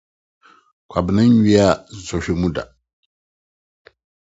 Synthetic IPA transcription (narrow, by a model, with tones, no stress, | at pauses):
kʷʰa˨bnã˦nɥi˦a˦˨zɔ˨ɕᶣe˨mũ˦da̰˨